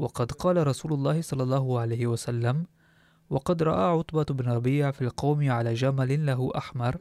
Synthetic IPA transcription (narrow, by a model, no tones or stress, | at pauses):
wɑqɑd̪qɑːlaɾˤɑsuːlʊlˤːɑːhɪsˤɑlːɑlˤːɑːɦʊʕalajhɪwasalːam | wɑqɑd̪ɾˤɑ̰ʔaːʕʊt̪ˤbaɪbnɾˤɑbiːʕfiːlqɑwmɪʕalaːd͡ʒamalɪlaɦʊʔaħmɑɾˤ